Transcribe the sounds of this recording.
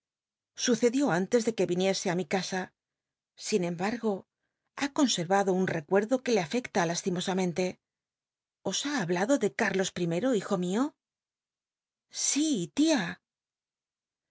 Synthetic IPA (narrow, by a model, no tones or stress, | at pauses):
suθe̞ðjo̞ant̪e̞zðe̞ke̞βinje̞se̞amikasa | sinẽ̞mbaɾɣo̞ | ako̞nse̞ɾβaðo̞unre̞kwe̞ɾðo̞ke̞le̞afe̞kt̪alast̪imo̞samẽ̞nt̪e̞ | o̞saːβlaðo̞ðe̞kaɾlo̞spɾime̞ɾo̞ixo̞mio̞ | sit̪ia